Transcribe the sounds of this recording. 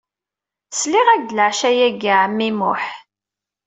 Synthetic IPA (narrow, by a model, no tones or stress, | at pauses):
sliʁæɡləʕʃæjæɡaʕəmːimʊ̰ħ